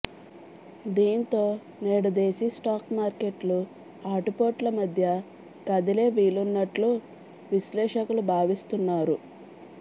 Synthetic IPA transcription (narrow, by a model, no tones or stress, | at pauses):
d̪iːnit̪o̞ː | neːɽɐd̪eːsisʈaːkmaːɾke̞ʈlu | aːʈupo̞ːʈlɐmɐd̪ʱjɐ | kɐd̪ile̞ːʋiːlunːɐʈlu | ʋislɛːʂɐkulubʱaːʋist̪unːaːɾu